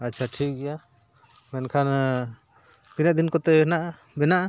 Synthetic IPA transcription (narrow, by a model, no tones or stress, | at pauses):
atːt͡ʃʰaʈʰik̚ɡɛja | mɛnkʰan | t̪inaʔd̪inkɔt̪ɛnaʔ | bɛnaʔa